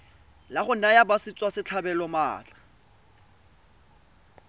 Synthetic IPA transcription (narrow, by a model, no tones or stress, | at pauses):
laχʊnajabasit͡sʼwasɪt͡ɬʰabɛlɔma̰ːt͡ɬḁ